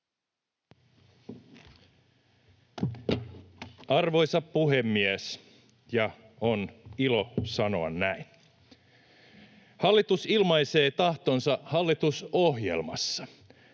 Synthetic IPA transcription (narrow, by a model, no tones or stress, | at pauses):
ɑrʋo̞jsɑppuɦemːies | jɑ | onilo̞sɑno̞ɑnːæin | hɑlːit̪usilmɑjse̞ːt̪ɑht̪onsɑhɑlːit̪usoɦjḛlmɑsːɑ̥